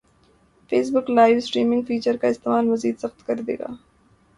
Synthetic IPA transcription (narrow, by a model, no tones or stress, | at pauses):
feːs̬bʊklaːɪʋsʈɾiːmɪ̃ŋɡfiːt͡ʃəɾkaɪst̪eːmaːlmɐziːd̪sɐxt̪kɐɾd̪ḛːɡa̰ː